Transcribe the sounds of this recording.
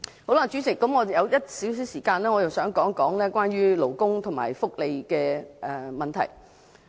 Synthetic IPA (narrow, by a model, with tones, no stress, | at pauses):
ho˨˥wlaː˨˧˩t͡ʃyː˨˥t͡sɪ˨˩kːɐ˨˥mŋɔː˨˧jɐ˨˧wjɐ˥t̚siː˨˥ws̬iː˨˥wsiː˨˩kaː˧nlɛː˥ŋɔ˨˧jɐ˨wsœː˨˥ŋkɔː˨˥ŋkɔː˨˥ŋlɛː˥kwaː˥nɥyː˥lo˨˩wkʊ˥ŋt̪ʰʊ˨˩ŋma̰ː˨˩jfʊ˥k̚le˨˧jkɛː˧ʔɛː˨mɐ˨nt̪ʰɐ̰˨˩j